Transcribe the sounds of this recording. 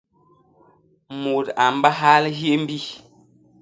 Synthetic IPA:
mu˨ta˨m˦ba˦ɦa˦lɦje˦m̩˦bi˦˨

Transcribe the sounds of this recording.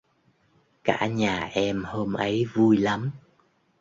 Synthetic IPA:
ka̰ː˧˥˩ɲaː˨˩ʔɛ˧mho˧mʔə˨˦jvu˧jla˨˦m

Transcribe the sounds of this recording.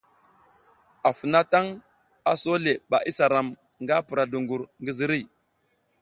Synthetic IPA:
a˨fu˨na˦ta˦ŋ | a˨so˦le˨ɓa˨ʔi˦sa˨ɾa˨m | ŋɡa˦pu˨ɾa˨du˨ŋɡu˨ɾŋɡi˦zi˦ɾi˦˨

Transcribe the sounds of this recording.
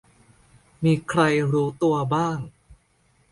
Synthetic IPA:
miː˧kʰɾa˧jɾuː˦˥t̪u˧ɐbaː˥˩ŋ

